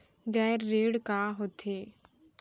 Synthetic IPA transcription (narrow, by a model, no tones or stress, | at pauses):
ɡɛːɾːeːɽkaɦot̪ʰeː